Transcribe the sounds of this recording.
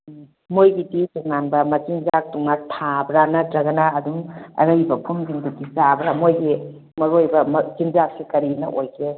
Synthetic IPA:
mojɡiditunanbɐmɐt͡ʃinzak̚tuŋnatʰabɾanadɾɐɡɐnaːdumɐ̰ɾɐjbɐpʰumdiŋdutizabɾamojɡi | mɐɾojbɐmzinzak̚sikɐɾinɐ̰ʔojkʰe

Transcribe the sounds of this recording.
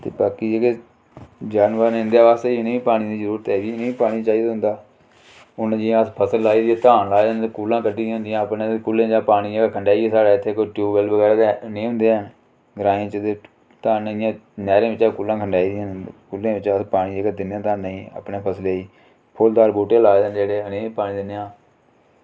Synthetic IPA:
t̪ḛːbaːkiːd͡ʒeːɡeː | d͡ʒaːnʋəɾnɪnd̪jaːbaːst̪eːnẽĩːpaːɽ̃id̪iːzəɾuːɾət̪ɛːʋiːnẽĩːpaːɽ̃iːt͡ʃaːiːd̪aːɦʊ̃nd̪aː | ʊnd͡ʒɪãːəspʰəsəlːaːiːd̪iːɛ̃ːt̪aːnlaːnekuːlãːkəɖĩːɦʊ̃nd̪ɪjãːpñːekʊlːẽːd͡ʒãːpaːɽ̃iːd͡ʒeːɡaːkʰəɳɖaːiɛːsaːɽaːɪt̪ʰːeːkoiʈjuːbəlbəɡɛːɾaːenĩːɦʊ̃nd̪eːãː | ɡɾãːĩːt͡ʃəd̪eː | t̪aːnɪjãːnɛːɾẽːʋɪt͡ʃãːkuːlːãːkʰəɳɖaːiːd̪ijãːnkulːẽːʋɪt͡ʃəspaːɽ̃iːd͡ʒeːɡaːd̪ɪnjãːt̪aːnːəĩːə̰pneːpʰəsleːiː | pʰold̪aːɾbuːʈẽːlaːed̪ənd͡ʒeːɽeːnẽːiːpaːnĩːd̪ɪnjãː

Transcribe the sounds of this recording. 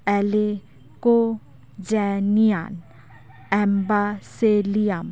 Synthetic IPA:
ɛle | ko | d͡ʒɛnija̰ːn | ɛmbaselijam

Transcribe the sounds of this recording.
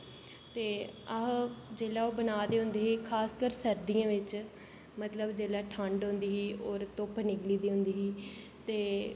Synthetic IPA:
t̪eːəɦd͡ʒeːlaːoːbənaːd̪eːɦʊ̃nd̪eːɦiːkʰaːskəɾsəɾd̪iãːʋɪt͡ʃ | mət̪ləbd͡ʒeːlaːʈʰəɳɖɦʊ̃nd̪iːɦiːoːɾt̪oːpnɪɡliːd̪iːɦʊ̃nd̪iːɦiː | t̪eː

